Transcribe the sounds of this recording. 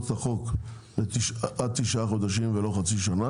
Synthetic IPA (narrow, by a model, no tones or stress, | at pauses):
aχo̞k | letiʃʔad̚t̪iʃaχo̞d̪aʃimvelo̞χat͡siʃana